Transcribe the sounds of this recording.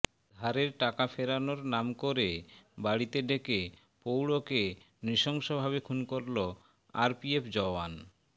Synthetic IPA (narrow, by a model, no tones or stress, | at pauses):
d̪ʱaɾeɾʈakafʰeɾanoɾnamkoɾebaɽit̪ed̪eke | powɽoke | nɾiʃɔŋʃobʱaβekʰunkoɾlo | a̰ɾpiepʰd͡ʑɔan